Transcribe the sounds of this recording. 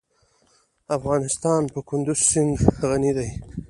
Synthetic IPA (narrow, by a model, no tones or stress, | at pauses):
afɣɑnɪst̪ɑnpəkʊnd̪ʊzsɪŋɡɣanid̪aj